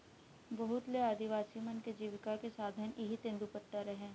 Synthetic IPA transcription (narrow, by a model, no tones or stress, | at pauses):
bɐɦʊt̪leaːd̪ʱiʋaːsimənked͡ʒiːʋɪkakesaːd̪ʱəneɦit̪ẽːnd̪upət̪ːaɾɐɦẽː